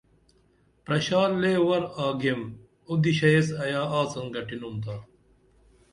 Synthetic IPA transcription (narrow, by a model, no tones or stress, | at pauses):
pɾɐɕaːleːwɐɾaːɡem | ud̪iɕɐesɐjaːaːt͡sɐnɡɐʈinunt̪aː